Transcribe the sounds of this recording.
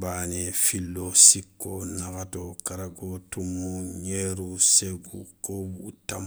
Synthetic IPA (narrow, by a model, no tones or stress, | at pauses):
banefilːosikːonakatokaɾaɡotumuɲeɾuseɡṵkobutam